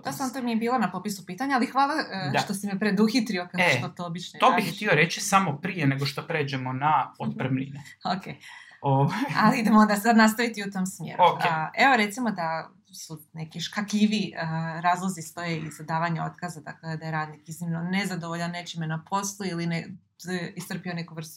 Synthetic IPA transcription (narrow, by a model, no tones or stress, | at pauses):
d̪osant̪omijebiːlˠonapo̞pisupiːt̪aɲaalixʋaːlˠaat̪o̞simipɾe̞d̪uxit̪ɾio̞kakot̪ot̪oobit͡ʃnot̪obixt̪io̞ɾet͡ʃisamo̞pɾijeneɡoʃt̪o̞pɾe̞ːd͡ʑemo̞naot̪̚pɾəmnḭneokḛoʋaja̰liid̪emoond̪asad̪nast̪aʋit̪iut̪o̞msmjḛːɾokeʔeʋoɾe̞t̪simod̪a | sune̞kiʃkakiʋiəɾaːzlˠozist̪o̞jeizad̪aːʋaɲeo̞̰t̪kazad̪a̰kled̪ajeɾaːd̪nikiznimnonezad̪oʋoʎanːe̞t͡ʃimenapʰo̞slˠuiline | ist̪r̩pio̞ne̞kuʋr̩st̪u